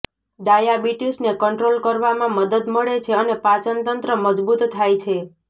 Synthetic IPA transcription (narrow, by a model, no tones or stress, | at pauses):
d̪ajabiʈisnekəɳʈɾolkəɾʋamãməd̪əd̪məɭet͡ʃʰeənepat͡ʃənt̪ənt̪ɾəməd͡ʒbut̪t̪ʰːajt͡ʃʰe